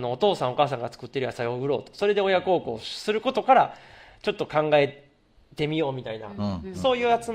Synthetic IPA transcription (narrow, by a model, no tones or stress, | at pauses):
no̞ːt̪o̞ːsãɰ̃o̞kaːsãŋɡat͡sɨ̥kɯ̟t̪ːe̞ɾɯ̟jasaioɯ̟ɾo̞ːt̪o̥so̞ɾe̞d̪e̞o̞jakɯo̞ːkɯ̰ːsɨɾɯ̟ko̞t̪o̞kaɾat͡ɕo̞t̪ːo̞kãŋɡae̞ | t̪e̞mʲijo̞ːmʲit̪aina̰so̞ːjɯ̟ːat͡sɨ